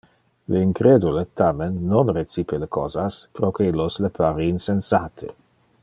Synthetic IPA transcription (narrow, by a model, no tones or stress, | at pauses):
leiŋkɾed̪ulet̪amenːonret͡sipelekozaspɾokeilːoslepʰaɾiinsensat̪ʰḛ